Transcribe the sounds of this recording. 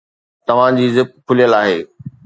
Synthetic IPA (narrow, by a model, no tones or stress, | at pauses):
t̪ɐʋ̤ãd͡ʑiːzɪk̚kʰʊlijəlaːɦeː